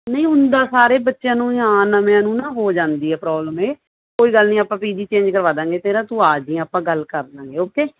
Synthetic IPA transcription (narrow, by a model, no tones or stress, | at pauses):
nəĩːʊnd̪aːsaːɾeːbətːʃjãːnũːãːnəmjãːnũːnãːɦoːd͡ʒãːnd̪iːɦɛːpɾɔːbləmeː | koːiːɡəlnĩːaːpãːpiːd̪iːt͡ʃẽːɲd͡ʒkəɾʋaːd̪ãːŋɡeːt̪eːɾaːt̪ũːaːd͡ʒĩːaːpãːɡəlkəɾd̪ãːŋɡeːoːkeː